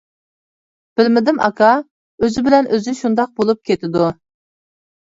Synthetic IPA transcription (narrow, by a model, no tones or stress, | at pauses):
b̥ɪlmɪd̪ɪmɑ̰kʰɑ | øzɪbɪlɛnʔøzɪʃund̪ɑq̚bolˠup̚kʲʰet̪ʰɪd̪u